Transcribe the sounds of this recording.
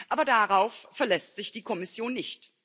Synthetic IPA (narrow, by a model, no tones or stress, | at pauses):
ʔaːbɐdaʁaʊfːɛɐlɛstz̥ɪçd̥iːkʰɔmɪsjoːnːɪçt